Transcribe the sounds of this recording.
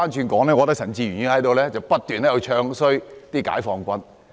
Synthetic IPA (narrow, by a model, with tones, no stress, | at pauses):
aː˥nt͡ʃʰyː˧nkɔː˨˥ŋlɛː˥ŋɔː˨˧t̪ɐ˥k̚sɐ˨˩nt͡siː˧ɥyː˨˩njyː˧˥hɐ˨˥jt̪o˨wlɛː˥t͡sɐ˨˩wpɐ˥t̚t̪yː˨nlɛː˥jɐ˨˧wt͡ʃʰœː˧ŋsɵ˥ɥt̪iː˥ka̰ː˨˥jfɔː˧ŋkʷɐ˥n